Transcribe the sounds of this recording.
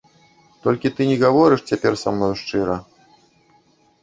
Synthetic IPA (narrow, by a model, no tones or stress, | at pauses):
t̪ɔlʲkʲit̪ɨnʲɛɣavɔɾɨʂt͡sʲapʲɛrsa̰mnɔjʂt͡ʂɨɾɐ